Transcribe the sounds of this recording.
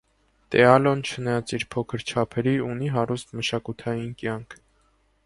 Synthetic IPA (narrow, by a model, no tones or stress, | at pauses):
t̪ɛɑlɔnt͡ʃʰənɑjɑt͡siɾpʰɔkʰəɾt͡ʃʰɑpʰɛɾiuniɦɑɾust̪məʃɑkut̪ʰɑjinkjɑŋkʰ